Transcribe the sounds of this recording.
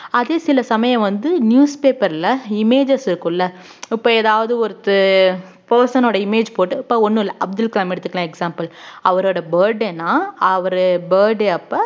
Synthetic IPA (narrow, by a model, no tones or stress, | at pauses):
ɐðeːsɪlɐsɐmɐjɐ̃ʋɐnd̪ɯnjuːspeːpɐɾɪlɐɪmeːd͡ʒɐsɪɾɯkːɯ̃ɪlːɐ | ɪpːoːɛːðaːʋɐðɯɔɾɯt̪ːɯ | pɐːɾsɐnoːɽɐɪmeːd͡ʒpoːʈːɯɪpːoɔnːɯlːɐʔɐb̚d̪ɯlklaːmɛɽɯt̪ːɯkːɐlãːɛksaːmpɐlɐʋɐɾoːɽɐbɐːɾɖeːnːãːɐʋɐɾɯbɐːɾɖeːɐpːoː